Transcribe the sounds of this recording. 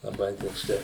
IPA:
lˠɐˈbɐɪ toːkˈsɐɪ

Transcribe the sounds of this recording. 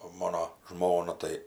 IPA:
oː ˈmoːnoː ˈʒmoːnɐ tɐɪ

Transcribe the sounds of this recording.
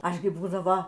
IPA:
ˈɐʃ ɡʲɪ ˈbuːdɐʋoː

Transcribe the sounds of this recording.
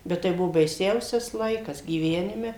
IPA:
ˈbʲɛt tɐɪ ˈbʊʋoː bɐɪˈsʲɛʊsʲɛs ˈlˠɐɪkɐs ɡʲiːˈʋʲæːnʲɪmʲɛ

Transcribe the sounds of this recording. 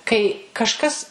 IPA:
kɐɪ kɐʃˈkɐs

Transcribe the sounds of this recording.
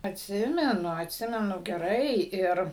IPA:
ɐtʲˈsʲɪmʲɛnʊ ɐtʲˈsʲɪmʲɛnʊ ɡʲɛˈrɐɪ ˈɪr

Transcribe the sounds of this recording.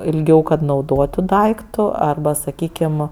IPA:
ɪlʲˈɡʲɛʊ kɐt nɐʊˈdoːtʊ ˈdɐɪktʊ ɐrˈbɐ sɐˈkʲiːkʲɪm

